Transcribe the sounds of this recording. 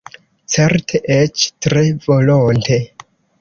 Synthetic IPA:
t͡seɾtʰeʔet͡ʃtɾe̞volontʰe̞

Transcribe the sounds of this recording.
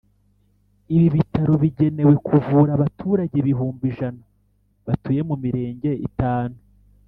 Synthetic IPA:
iβiβitaɾoβiɟe̞ne̞we̞kʰuvuɾaβatʰuːɾaɟeβiɦuːmbiʒana | βatuje̞mumiɾe̞ːɲɟe̞ḭtaːnu

